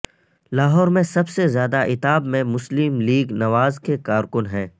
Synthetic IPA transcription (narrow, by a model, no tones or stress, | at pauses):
laːɦɔːɾmẽsɐbsezjaːd̪aʔɪt̪aːbmẽmʊslɪmliːɡnɐʋaːzkekaːɾkʊnɦɛ̃ː